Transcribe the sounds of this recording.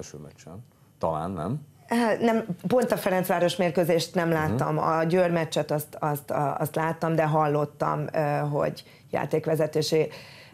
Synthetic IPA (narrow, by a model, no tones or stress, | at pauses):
lʃø̰ːmɛt͡ʃːɛn | t̪ɒla̰ːnːɛ̰m | nɛmpo̞nt̪ɒfɛɾɛntsʋaːɾo̞ʃmeːrkøːzeːʃt̪nɛmlaːt̪ːɒmɒ̰ɟøːrmɛt͡ʃːɛt̪ɒst̪ɒst̪ɒ̰st̪laːt̪ːɒmd̪ɛɦɒlːo̞t̪ːɒ̰mɦo̞̰ɟ | ja̰ːt̪eːkʋɛzɛt̪eːʃe